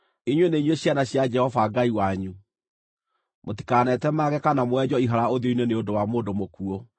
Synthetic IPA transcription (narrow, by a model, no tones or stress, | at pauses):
iɲweneiɲweɕjanaɕjad͡ʒɛhɔvaɡaiwaɲu | moti̥kanɛtɛmaɣɛkanamwɛd͡ʑɔiɦaɾaoðoiɲweneodowamoːndomokuo